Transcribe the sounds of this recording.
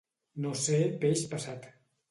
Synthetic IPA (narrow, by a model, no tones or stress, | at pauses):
nosepeʃpəsat̪